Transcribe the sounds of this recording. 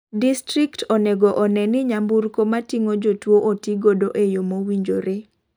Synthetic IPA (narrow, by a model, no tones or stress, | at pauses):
distɾiktoneɡoʔɔnɛnɪɲamburkomatiŋod͡ʒotwoʔotiɡodoʔejomowiɲd͡ʒoɾe